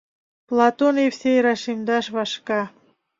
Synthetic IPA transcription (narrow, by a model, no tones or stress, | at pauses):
plˠɑt̪onefsejɾɑʃimd̪ɑʃβɑʃkɑ